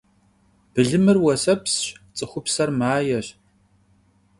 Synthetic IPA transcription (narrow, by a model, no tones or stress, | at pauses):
b̥ɨɮɨmɨrwɐsɐpsɕt͡sʼɨχʷʊpsɐrmaːjɛɕ